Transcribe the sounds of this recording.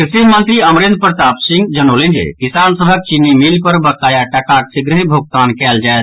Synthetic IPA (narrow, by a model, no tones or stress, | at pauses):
kɾisimənt̪ɾiəmɾend̪̚pɾət̪apsĩŋɡd͡ʒənolend͡ʒḛkisansəbʱək̚t͡ʃinːimilpəɾbəkːajaʈəkaʈ̚siɡɾəɦĩbʱuk̚t̪ankɛld͡ʒaet̪ʰ